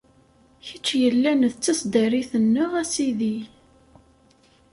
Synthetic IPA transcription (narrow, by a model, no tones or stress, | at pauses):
çət͡ʃːjəlːænðt͡sːæsd̪əriθənːʊʁæsiði